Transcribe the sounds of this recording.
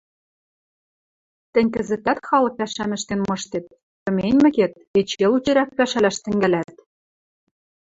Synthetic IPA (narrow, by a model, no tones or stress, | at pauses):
t̪ɘ̆nʲkɘ̆zɘ̆t̪æt̪xɑlɤ̆k̚pæʃæmɘ̆ʃt̪enmɤ̆ʃt̪et̪̚ | pɤ̆menʲmɘ̆ket̪̚et͡ɕelut͡ɕɘ̆ɾæk̚pæʃælæʃt̪ɘ̆ŋɡælæt̪